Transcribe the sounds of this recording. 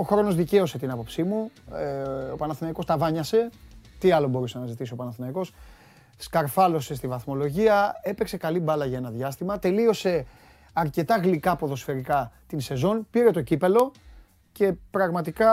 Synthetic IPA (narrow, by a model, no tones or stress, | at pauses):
o̞xɾo̞no̞zðice̞o̞se̞t̪inɐpo̞psimu | opɐnɐθinɐiko̞st̪ɐvɐɲɐse̞t̪iɐlo̞bo̞ɾusenɐzit̪isio̞pɐnɐθinɐiko̞s | skɐɾfɐlo̞se̞st̪ivɐθmo̞lo̞ʝiɐe̞pe̞kse̞kɐlibɐlɐʝɐe̞nɐðʝɐst̪imɐt̪e̞lio̞se̞ | ɐɾce̞t̪ɐɣlikɐpo̞ðo̞sfe̞ɾikɐt̪inse̞zo̞npiɾe̞t̪o̞cipelo̞ | ce̞pɾɐɣmɐt̪ikɐ